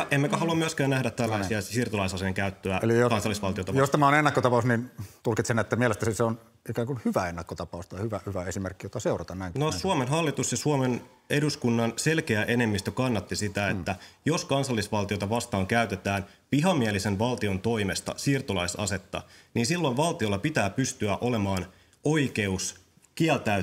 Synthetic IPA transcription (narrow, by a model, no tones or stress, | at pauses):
ʔemːmækæɦɑluɑmyøskæːnæhdæt̪t̪ːælːæsiɑsiːrt̪ulɑisɑseŋkæyt̪ːøæeliokɑnsɑlːisʋɑlt̪iot̪ɑjost̪æmæonenːɑkːot̪ɑpɑˑusnint̪ulkit̪senet̪ːæmielest̪æniseon | ikæːŋkunhyʋæenːɑkːot̪ɑpɑust̪ɑjhyʋæhyʋæesimerkːijot̪ɑseurɑt̪ɑnnæˑiŋnosuomenɦɑlːit̪usjɑsuomen | eduskunːɑnse̞lkeæʔe̞ne̞mːist̪økɑnːɑt̪ːisit̪æet̪ːæjo̞skɑnsɑlːisʋɑlt̪iot̪ɑʋɑst̪ɑːŋkæyt̪et̪æːn | piɦɑmiælisenʋɑlt̪io̞nt̪o̞imest̪ɑ̰siːrt̪olɑisɑ̰se̞t̪ːɑ̰niːnsilːo̞iʋʋɑlt̪io̞lːɑpit̪æːpyst̪yæʔole̞mɑːn | o̞ikeus | kiælt̪æ